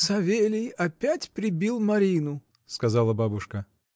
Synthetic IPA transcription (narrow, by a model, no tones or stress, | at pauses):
sɐvʲelʲɪjɐpʲætʲpɾʲɪbʲilˠmɐɾʲinʊ | skɐzɑlˠəbabʊʂkə